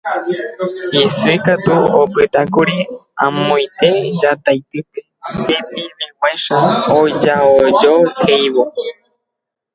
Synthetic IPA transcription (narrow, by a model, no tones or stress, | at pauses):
isɨkat̪uopɨt̪akuɾiã̰mõj̃t̪ed͡ʒat̪ajt̪ɨped͡ʒepĩmĩkʷeʃaod͡ʒaod͡ʒokʰejβo